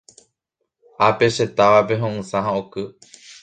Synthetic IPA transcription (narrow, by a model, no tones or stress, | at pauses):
ape̞ʃe̞t̪aʋape̞ɦõʔɨ̃sãɦãokɨ